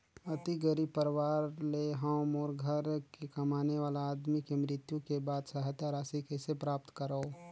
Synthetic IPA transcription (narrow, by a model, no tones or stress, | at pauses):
ət̪iɡəɾipəɾwaːɾleɦəmɔːɾɡʱəɾkekəmaːneʋaːlaːd̪mikemɾɪt̪jũkebaːd̪səɦt̪aɾaːsikesepɾaːp̚t̪kəɾao